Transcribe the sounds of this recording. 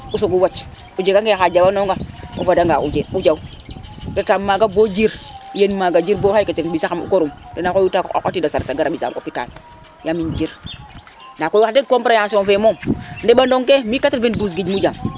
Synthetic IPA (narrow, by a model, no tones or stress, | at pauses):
usoɡuwat͡ʃ | ud͡ʒeɡaŋkexad͡ʒawanoŋɡaṵfadaŋɡaʔud͡ʒeud͡ʒaudetamːaɡabod͡ʒiɾjenmaɡad͡ʒiɾbohajketenɓisaamṵkoɾumdenakojutaa̰ko̰tidasaɾtaɡaɾaɓisa̰mʔo̰pita̰n | jamind͡ʒiɾ | nakojadekompɾajansonfemomndebandoŋkemikativenbus̬ɡid͡ʒmud͡ʒam